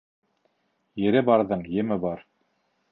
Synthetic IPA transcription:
jɘ̆ɾɘbɑɾðɤɴjɘ̆mɘbɑɾ

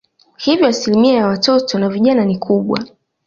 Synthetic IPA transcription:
hivjɔasilimiajawatɔtɔnaviʄananikʰuɓwa̰

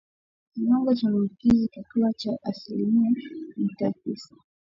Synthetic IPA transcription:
kiwaŋɡɔt͡ʃamaukizikituat͡ʃaʔasilimiamitatisḁ

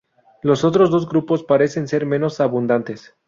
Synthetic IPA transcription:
lo̞so̞t̪ɾo̞zðo̞zɡɾupo̞spaɾe̞se̞nse̞ɾmẽ̞no̞saβund̪ant̪e̞s

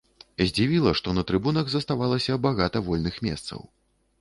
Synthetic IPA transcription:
zʲd͡zʲivʲilˠɐʂt̪ɔnɐt̪ɾɨbunɐɣzɐst̪avalˠɐsʲɐbaɣat̪ɐvɔlʲnɨxmʲɛ̰st̪sɐ̰w

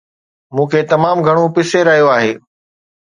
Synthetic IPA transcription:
mũːkʰeːt̪ɐmaːmɡʱɐɽ̃opɪseɾɐɦijoaːɦeː

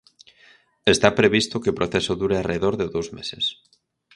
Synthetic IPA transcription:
est̪apɾeβ̞ist̪okeopɾʔoθesoðuɾeareðoɾðeðowzmesḛs

